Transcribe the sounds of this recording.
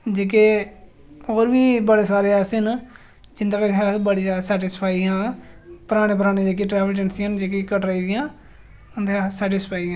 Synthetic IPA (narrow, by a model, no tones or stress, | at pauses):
d͡ʒeːk̬eː | oːɾʋiːbəɽeːsaːɾeːaːsen | d͡ʒɪnd̪aːkəɦaːbəɽiasɛːʈɪspʰaːiãːpəɾaːɽ̃eːp̬əɾaːneːd͡ʒeːk̬iːʈɾɛːʋəld͡ʒənsiənd͡ʒeːk̬ekəʈɾəiːd̪ɪjãː | ənd̪easɛːʈɪspʰaːiãː